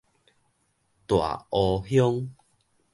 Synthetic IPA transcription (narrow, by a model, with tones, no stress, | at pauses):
t̪wa̰˨˩ʔɔ˧hjɔ˦ŋ